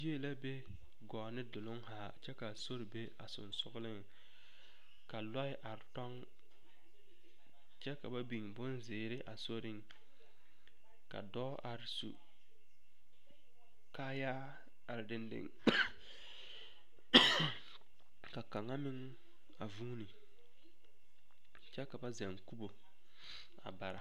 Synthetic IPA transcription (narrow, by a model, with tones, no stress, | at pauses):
i˦e˦la˦be˦ | ɡɔː˨nɪ˦dʊ˨lʊ˦ŋɦaː˨t͡ʃɛ˦ka˨so˦ɾɪ˨be˦a̰˨sʊ̰˨nsʊ˦ɡlɪ˦ŋ | ka˨lɔ˦ɪ˦ʔa˨ɾɪ˨tɔ˦ŋ | t͡ʃɛ˦ka˨ba˦bi˨ŋbʊ˦nzɪː˨ɾɪ˦ʔa˨so˦ɾɪ˦ŋ | ka̰˨dɔː˦a˨ɾɪ˨sṵ˨ | kaː˦jaː˦ | a˨ɾɪ˨dɪ˦ndɪ̰˨ŋ | ka˨ka˨ŋa˦mɪ˦ŋ | a˨vuː˦ni˨ | t͡ʃɛ˦ka˨ba˦za˨ŋku˦bo˨ | a̰˨ba˨ɾa˨